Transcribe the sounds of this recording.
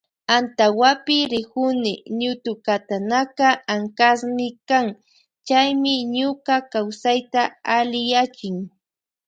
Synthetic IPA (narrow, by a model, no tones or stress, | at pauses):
ant̪awapɪɾɪkʊnɪɲʊt̪ʊkat̪anakaaŋkasmɪkaŋ | t͡ʃajmɪɲʊkakawsajt̪aalɪjat͡ʃɪŋ